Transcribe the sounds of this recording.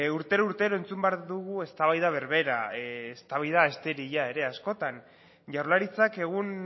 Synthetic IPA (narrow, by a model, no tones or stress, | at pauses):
uɾt̪e̞ɾuɾt̪e̞ɾo̞e̞nt͡sumbeaɾðuɣue̞st̪aβ̞ajðaβ̞e̞ɾβe̞ɾaest̪aβajðaest̪eɾiʎae̞ɾe̞asko̞t̪an | ʝawɾlaɾit͡sake̞ɣ̞un